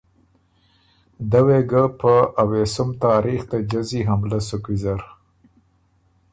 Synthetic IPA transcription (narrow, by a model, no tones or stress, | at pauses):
d̪aweɡapəʔawesʊmt̪ɑːɾixt̪ad͡ʒaziɦamlasukwizaɾ